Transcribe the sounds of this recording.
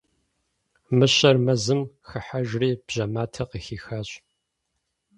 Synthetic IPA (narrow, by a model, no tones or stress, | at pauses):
mɨɕɐrmɐzɨmxɨħaʒriːb̥ʑ̥ɐmaːtʰɐqəxiːxaːɕʼ